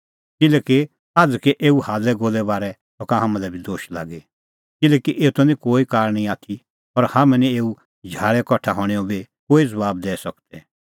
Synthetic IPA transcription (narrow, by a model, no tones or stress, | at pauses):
kɪlɛki | aːd͡zkeʔeːuhaːlɛɡoːlɛbaːɾɛ | t̪ɔkãɦamãlɛbʱid̪oːʃla̰ːɡe | kɪlɛːkiʔeːut̪ʰɐnĩkoːikaːɾɽ̃ĩaːt̪ʰi | ɔɾhaːmɛ̃nĩeːu | d͡ʒʱaːɭɛkɔʈʰaɦɔ̃ɽ̃iɔ̃bʱi | koːid͡zɐbaːb̚d̪ɛːsɐkt̪ɛ